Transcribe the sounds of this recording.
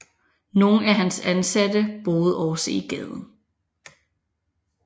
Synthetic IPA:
no̝ːn̩æɦænsænsædəb̥o̝ːð̞̩ˠɒʊsḛiɡ̥ɛːð̞ˠn̩

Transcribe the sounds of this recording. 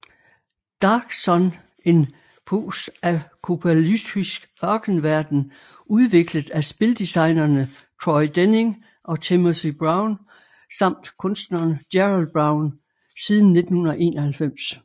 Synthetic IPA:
d̥ɑ̈ːɡ̥sɒ̽n | e̝n | pʰo̰ːsækʰopʰælydisɡ̥ɶɐɡ̥n̩ʋæɐd̥n̩ | uðˠʋe̝ɡ̥ləð̩ˠæsb̥e̝ld̥isɑ̈ɪ̰nɐnə | t͡sʰʁɔɪd̥ene̝ŋ | ʔɒ̽t͡sʰemosib̥ʁɑ̈ʊn | sɑ̈m̰d̥kʰɔ̽nsd̥nɐnəd̥jeʁɑlb̥ʁɑ̈ʊn | sið̞ˠn̩ːe̝d̥n̩hunɐðɐʔe̝̰ːnʔɐhælfem̰s

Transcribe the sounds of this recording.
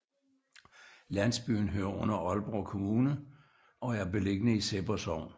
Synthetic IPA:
læn̰sb̥y̰ːn̩ɦøɐɔ̽nɐʔɒ̽lb̥ʁɒkʰo̝muːnə | ʔɒ̽æɐb̥e̝le̝ɡ̥ənəiseb̥ɐsɒʊ̰n

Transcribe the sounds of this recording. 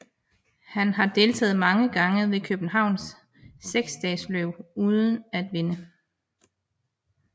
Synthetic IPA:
hænɦɑ̈d̥e̝ːlt͡sʰɛ̰ːð̞̩ˠmɑ̈ŋəɡ̥ɑ̈ŋəʋe̝kʰøb̥n̩ɦɑ̈ʊ̰nsː | eɡ̥sd̥ɛ̰ːsløʊ̰uːð̞ˠən̩æd̥ʋe̝nə

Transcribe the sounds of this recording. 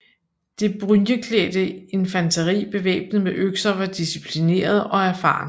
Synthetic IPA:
d̥e̝b̥ʁynjəkʰlḛːd̥əe̝nfænt͡sʰɐʁḭːb̥e̝ʋḛːb̥nəmeʔøɡ̥sɐʋɑ̈d̥isipʰline̝̰ːɐð̞ˠɒ̽æɐfɑ̰̈ːn

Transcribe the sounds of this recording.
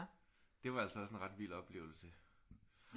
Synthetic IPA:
d̥e̝ʋɑ̈æl̰səɒɒ̽se̝nʁɑ̈d̥ʋḭːlɒ̽b̥le̝̰ːʊl̩sə

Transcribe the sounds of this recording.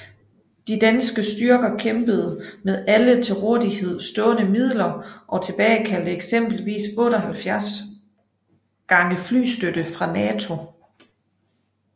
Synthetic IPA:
d̥id̥ænsɡ̥əsd̥yɐɡ̥ɐkʰemb̥əð̞̩ˠmeðˠælət͡sʰe̝ʁɔɐ̰ðˠihe̝ð̞̰ˠsd̥ɔ̽ːnəmið̰ˠlɐʔɒ̽t͡sʰe̝b̥ɛːɪkʰæl̰d̥əeɡ̥sem̰b̥l̩ʋḭːsɔ̽ːɾɐɦælfjæɐs | ɡ̥ɑ̈ŋəfly̰ːsd̥ød̥əfʁɑ̈nɛːt͡sʰo̝

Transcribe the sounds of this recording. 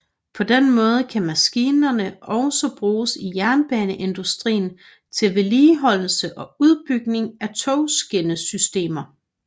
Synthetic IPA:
pʰɒ̽d̥enmɔ̽ːð̞ˠəkʰæmæsɡ̥iːnɐnəʔɒ̽ʊsɒb̥ʁuːsijæɐnb̥ɛːnəʔe̝nd̥usd̥ʁḭːn̩ | t͡sʰe̝lʋe̝liːɦɒ̽l̰l̩səʔɒ̽uð̞ˠb̥yɡ̥ne̝ŋæt͡sʰoʊsɡ̥e̝nəsysd̥e̝̰ːmɐ

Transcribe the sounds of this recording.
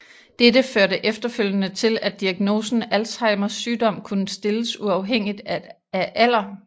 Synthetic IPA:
d̥edəføɐɾəʔefd̥ɐføl̰jənət͡sʰe̝læd̥iæɡ̥no̝ːsn̩ælshɑ̈ɪmɐsːyːd̥ɒ̽m̰kʰunəsd̥e̝ləsuɑ̈ʊɦeŋ̰id̥æ | æʔæl̰ɐ

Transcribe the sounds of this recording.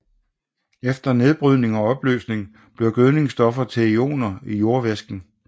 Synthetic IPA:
efd̥ɐne̝ð̞ˠb̥ʁyðˠne̝ŋɒ̽ɒ̽b̥lø̰ːsne̝ŋ | b̥liɐɡ̥øðˠne̝ŋsd̥ɒ̽fɐt͡sʰeio̝̰ːnɐijo̝ɐʋesɡ̥n̩

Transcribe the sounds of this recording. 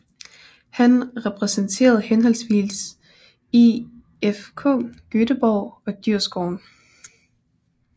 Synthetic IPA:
hænʁɛpʰʁɛsənt͡sʰe̝̰ːɐð̞̩ˠhenɦɒ̽lsʋḭls | i | efkʰɔ̰ɡ̥øɾ̥əb̥ɒʊ̰ɒ̽d̥yɐ̰sɡ̥ɒʊ̰n

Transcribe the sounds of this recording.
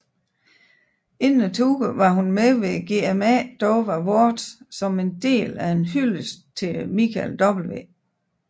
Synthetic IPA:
e̝nːət͡sʰuɡ̥əʋɑ̈ɦunmeʋe̝ɡ̥e̝̰ːemæd̥ɒʊʋæʋoɐd̥sɒ̽me̝nd̥e̝̰ːlæe̝nɦyləst͡sʰe̝lmikʰæld̥ɒ̽b̥l̩ʋe̝̰ː

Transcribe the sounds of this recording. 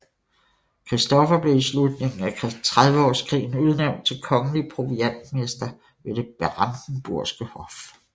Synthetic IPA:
kʰʁisd̥ɒfɐb̥le̝islud̥ne̝ŋŋ̩ækʰt͡sʰʁað̞ˠʋəɒ̰ːskʰʁḭːn̩uð̞ˠneʊn̥̚t͡sʰe̝lkʰɒ̽ŋəliəpʰʁo̝ʋiæn̰d̥me̝sd̥ɐ | ʋe̝ɾ̥e̝b̥eʁɑ̈nd̥n̩b̥uɐ̰sɡ̥əhɒ̽f

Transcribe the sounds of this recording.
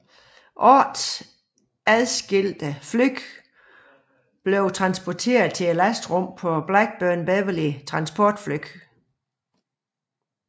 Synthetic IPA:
ʔɒd̥s | æðˠsɡ̥e̝l̰d̥əflyɡ̥ | b̥le̝ʊt͡sʰʁɑ̈nsb̥ɒt͡sʰe̝̰ːɐð̩ˠt͡sʰe̝elæsd̥ʁɔm̰pʰɒ̽b̥læɡ̥̚b̥œɐnb̥ɛʋəlit͡sʰʁɑ̈nsb̥ʰɒd̥flyɡ̥

